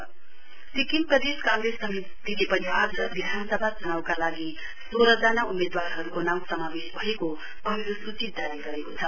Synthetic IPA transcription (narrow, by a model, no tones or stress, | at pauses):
sikinprʌd̪eskãŋɡɾesʌmi | t̪ilepʌniad͡zʌbid̪ʱanʌsʌbʱat͡sʌnawkalaɡi | soɾʌd͡zʌnaumed̪warɦʌɾukonawsʌmabesbʱʌeko | pʌɦiɾosut͡sit̪̚daɾiɡʌɾekot͡sʰʌ